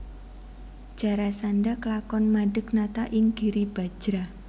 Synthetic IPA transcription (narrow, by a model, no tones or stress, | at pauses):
d͡ʒ̥a̤ɾasanɖaklakɔnmaɖə̤k̚nat̪aʔɪŋɡ̥iɾib̥a̤̥d͡ʒ̥ɾa